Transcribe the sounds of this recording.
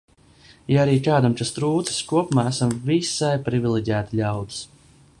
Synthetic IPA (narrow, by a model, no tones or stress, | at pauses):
jaaɾiːkaːd̪amkast̪ɾuːt̪si̥skuɔpumaːæsamvisajpɾivʲilˠiɟʲæːt̪iʎʲawd̪ɨ̥s